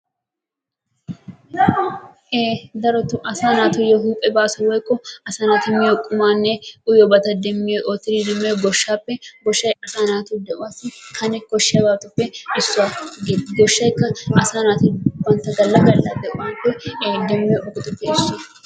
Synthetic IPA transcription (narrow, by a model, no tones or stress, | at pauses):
ʔeːd̪ɐɾɔt̪ʊʔɐsaːnaːt̪ʊjɔɦuːpʼɛbaːsʊwɔjkʼːɔɐsaːnat̪ɪmːɪokʼːʊmaːnːɛʔʊjɔbɐt̪ɐd̪ɛmːɪjɛʔɔt̪ɪɾid̪ɛmːɛɡɔʃːaːpːɛɡɔʃːɐjɐsaːnaːt̪ʊd̪ɛʔʊwasɪkʰɐnɛkɔʃːɪɐbaːt̪ʊpːɛʔɪsːʊaɡɡɔʃːɐjɪkːɐɐsaːnaːt̪ɪwɐnt̪ɐɡɐlːɐɡɐlːɐdɛʔʊwaːnpːɛd̪ɛmːɛjʔɔkʼʊt̪ʼʊpːɛʃe